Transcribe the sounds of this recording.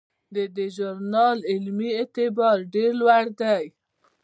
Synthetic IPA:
d̪əd̪əʒʊɾnɑlɪlmiet̪ɪbɑɾɖeɾlwaɽd̪aj

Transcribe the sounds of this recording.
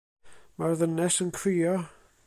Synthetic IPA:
marðənɛsənkʰriːɔ

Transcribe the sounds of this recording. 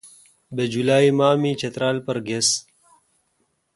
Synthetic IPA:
bed͡ʒulaːimaːmiːt͡ʃɐt̪ɾaːlpɐɾɡes

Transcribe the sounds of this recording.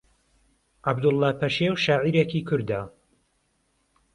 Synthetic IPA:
ʕabd̪ʊlˠːɑːpʰɐʃewʃaːʕiɾekiːkʰʊɾd̪a

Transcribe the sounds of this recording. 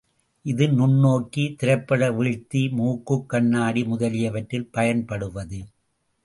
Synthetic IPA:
ʔɪðɯnʊɳːoːkːit̪ɪɾɐɪpːɐɽɐʋɪɻt̪ːimuːkːɯkːɐɳːaːɽimʊðɐlɪjɐʋɐʈrɪlpɐjɐnpɐɽɯʋɐðɯ

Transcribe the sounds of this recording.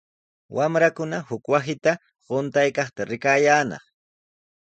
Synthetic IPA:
wʔamɾakʊnahʊkwasɪt̪a | ɢʊnt̪ajkɑχt̪aɾɪkaːjaːnɑ̰χ

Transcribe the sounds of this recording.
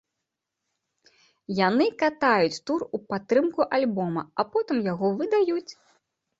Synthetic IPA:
janɨkat̪ajut͡sʲt̪urupat̪ːɾɨmkuʔalʲbɔmɐ̰ɐpɔt̪ɨmjaɣɔvɨd̪ajut͡sʲ

